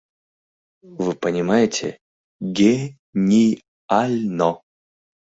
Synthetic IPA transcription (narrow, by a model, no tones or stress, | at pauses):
vɨpənʲɪmajɪtʲɪ̰ | ɡʲe | nʲij | alʲnɔ